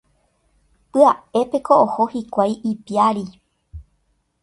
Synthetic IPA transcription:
pɨae̞pe̞koʔoho̞hikʷajʔipiaɾi

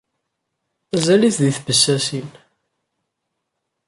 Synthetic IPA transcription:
æzæliθðiθbəsːæsin

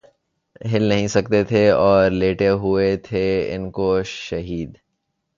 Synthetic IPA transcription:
ɦɪlnɐɦĩsɐk̚t̪et̪ʰeɔːɾleːʈeɦʊet̪ʰeɪ̰nkoʃɐɦiːd̪

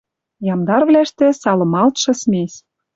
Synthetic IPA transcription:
jɑmd̪ɑrβlæʃt̪ĕsɑlɤ̆mɑlt̪ʃɤ̆smʲes

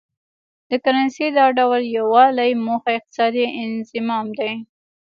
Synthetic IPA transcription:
d̪̥əkaɾɑnsed̪ɑɖawljawɑlajmoxaɪq̚t̪ɪ̥sɑd̪iɪnzɪmɑmd̪aj

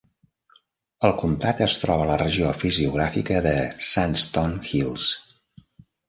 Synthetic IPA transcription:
əlˠkunt̪at̪əst̪ɾɔβələrəʒiofiziuɣ̞ɾafikəðəsanst̪ɔnxilˠs

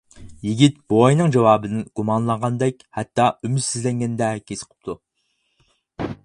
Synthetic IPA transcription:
jiɡʲit̪̚b̥oɑjnɨŋd͡ʒɑwɑːbɨnɪɡ̥umɑnlˠɑɴʁɑnd̪ɛkʲhæt̪ːɑymyt̪sɪzlɛŋɡʲɛnd̪ɛkʲʰesɨ̥qʰə̥p̚t̪ʰu

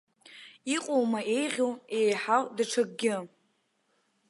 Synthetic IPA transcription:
iqʷʼowmaʔe̞jʁʲowe̞jħawdaʈ͡ʂʰaɡ̚ʼɡʲɪ

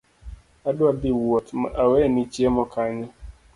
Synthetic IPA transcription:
adʊabiwɔt̪ma̰ʔawɛnit͡ʃiemɔkaɲɔ

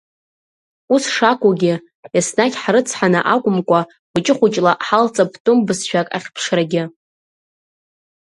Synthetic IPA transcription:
usʂakʷʼuɡʲɪ | jasnakʲʼħɾɨt͡sʰħanɨ̰ʔakʷʼʊmkʷʼa | bɨt͡ʃʼɪχʷʊt͡ʃʼlaʔħalt͡sʼapʰtʼʊmbɨsʃᶣakʼa̰χʲpʰʂraɡʲɪ

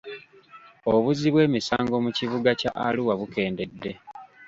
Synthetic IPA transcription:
oβuziβwe̞ːmisa̰ːŋɡo̞muciβuɡaca̰ʔa̰luwaβuke̞ːnde̞dːe̞

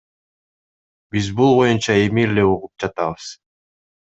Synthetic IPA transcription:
bizbulˠbo̞junt͡ʃɑemiɾle̞uʁup̚d͡ʒɑt̪ɑβɯz̥

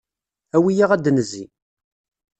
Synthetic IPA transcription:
æwijaʁæd̪nəzi

